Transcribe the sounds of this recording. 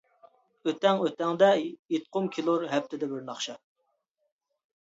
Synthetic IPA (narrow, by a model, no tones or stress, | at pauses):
øt̪ɛŋøt̪ɛŋd̪ɛjet̪̚qʰʊmkʲʰilˠuɾɦɛp̚t̪ʰɪd̪ɛbɪɾnɑχʃɑ